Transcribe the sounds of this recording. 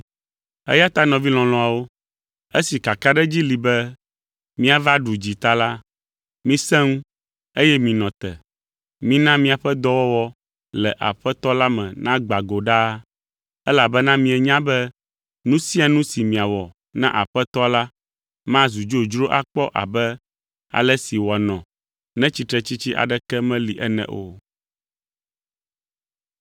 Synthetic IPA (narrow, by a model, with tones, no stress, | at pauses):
ɛ̰˦ja˦t̪a˦nɔ̃˨vi˦lɔ̃˨lɔ̃˨a˨wo˦ | e˦si˨ka˨ka˦ɖɛ˦d͡ʑi˦li˨bɛ˦ | mĩ˦a˨va˦ɖu˨d͡ʑi˨t̪a˦la˦ | mĩ˦sɛ̃˦ŋ˦ | e˦jɛ˦mĩ˨nɔ̃˨t̪ɛ̰˨ | mĩ˦nã˦mĩ˦a˨ɸɛ˦d̪ɔ˦wɔ˦wɔ˦ | lɛ˨ʔa̰˨ɸɛ˦t̪ɔ˦la˦mɛ̰̃˨nã˦ɡ͡ba˨ɡo˨ɖa˦ | ɛ˦la˨bɛ˦nã˦mĩ˨ɛ˨ɲã˦bɛ˦ | nũ˦si˦a˨nũ˦si˨mĩ˨a˨wɔ˨ | nã̰˦ʔa˨ɸɛ˦t̪ɔ˦la˦ | mã˦zu˨d͡ʒo˦d͡ʒɾo˦ʔa˦k͡pɔ˦ʔa̰˨bɛ˦ | a̰˨lɛ˦si˨wɔ˨nɔ̃˨ | nɛ̃˦t͡ɕi˨t̪ɾɛ˨t͡ɕi˦t͡ɕi˦ʔa̰˨ɖɛ˦kɛ˦mɛ̃˦li˨ʔɛ˦nɛ̰̃˦˨ʔo˦